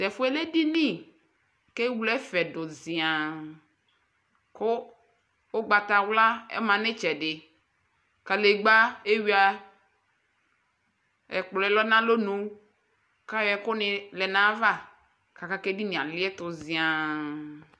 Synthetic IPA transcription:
t̪ɛ˨fo˦ɛ˦le˦ɖi˦nĩ˦˨ | ke˦wu˦lɛ˦fɛ˨do˨zi˨a˨ | ko˦ | wo˦ɡ͡ba˨t̪a˨wla˦ḛ˦mã˨nẽ˦t͡ʃɛ˨ɖɪ˨ | ka˨le˨ɡ͡ba˦e˦wi˦a˦ | ɛ̰˨k͡plɔ˨ɛ˦lɔ˦nã˦lo˦nũ˦ | ka˦jɛ˨ko˦nẽ˨lɛ˨nã˦va˦ | ka˨ka˦ke˦di˦nĩ˨ã˨li˦ɛ˦t̪ʊ˨zĩ˨a˨

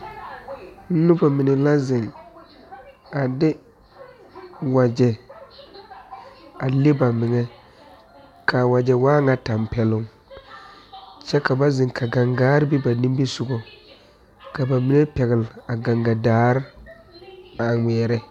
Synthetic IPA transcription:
n̩˦nʊ˦ba˨mɪ˨nɛ˨la˦zɪ˨ŋ | a˨dɪ˦ | wa˨d͡ʒɛ˨ | a˨lɪ˦ba˨mɪ˨ŋɛ˦ | kʰa˨wa˨d͡ʒɛ˨waː˦ŋa˦ta˨mpɛ˨lʊ˨ŋ | t͡ʃɛ˦ka˨ba˦zɪ˨ŋkʰa˨ɡa˨ŋɡaː˦ɾbi˦ba˨nĩ˦m˦bi˦sʊ˨ɡɔ˨ | ka˨ba˨mɪ˦ŋɛ˦pɛ˨ɣɪ˨la˨ɡa˨ŋɡa˨daː˨˦ɾ | a˨ŋɛː˨ɾɛ˦

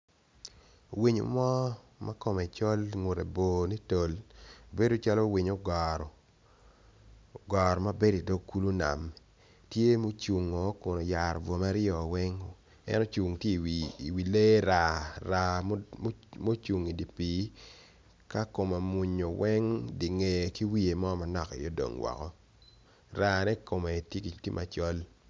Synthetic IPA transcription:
o˨wi˦ɲo̰˨˦mɔ˦ | ma˦ko˦˨mɛ˨t͡ʃɔ˦lŋu˨ɾe˨bo˨ni˦to˨lbe˦do˦t͡ʃa˦lo˦wi˨ɲo˦ɡɔ˨ɾɔ˨ | ɡɔ˨ɾma˦be˦di˨do˦kːu˦lu˦na̰˨m | tje˦mo˦t͡ʃu˨ŋɔ˨˦kʊ˨no˨ja˨ɾvɔ˨ma˦ɾɪ˦ɔ˨wɛ˦ŋ˨ | ɛ̰˦nɔ˦t͡ʃu˨ŋtje˦i˨wi˨i˨wi˨le˦ɾa˦˨ɾa˦ | mo˦t͡ʃu˨ŋi˨di˨pi˨˦ | ka˦ko˨ma˨mu˨ɲo˨wɛ˦ŋdi˨ŋe˨ki˦wi˦e˨mɔ˦ma˨nɔ˨kḭ˨jo˦do̰˨ŋwɔ̰˨kɔ˦ | ɾa˦nɛ˦ko˨me˨tje˦ki˨ti˦mʔa˨t͡ʃɔ˦l

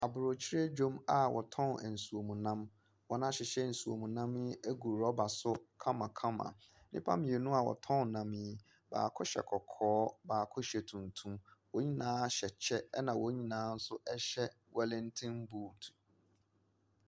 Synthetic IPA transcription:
a˨bʊ˨ɾo˨t͡ɕʰi˦ɾe˦d͡ʑo˦ma˨wʔɔ̰˨tʰɔ̃˦˨n˨n̩˨su˨o˨mũ˨nã˦m | wɔ˨nã˦ɕɪ˨ɕɛ˦˨n̩˨su˨o̰˨mũ˨nã˦mɪ˦æ˦ɡu˨ɾɔ˦ba˨sʊ˦kʰã˦mã˨kʰã˦mã̰˨ | nɪ̰̃˦pʰã̰˦mɪ̃˨e˨nũ˦a˨wɔ̰˨tʰɔ̃˦n˨nã˨mĩ˦˨ | ba̰ː˨kʰɔ˦ɕɛ̰˨kʰɔ˨kʰɔː˦baː˨kʰɔ˦ɕɛ˨tʰũ˨ntʰũ˦mwo˨ɲĩ˦nãː˨˦ɕɛ˨t͡ɕʰɛ˦nã˨wʔo˨˦ɲĩ˦nãː˨˦n̩˦sʊ˦ʔɛ˦ɕɛ˦ | wɛ˨lɪ̃˦n˦tʰɪ̃˦m˦buː˦˨tʰu̥˨

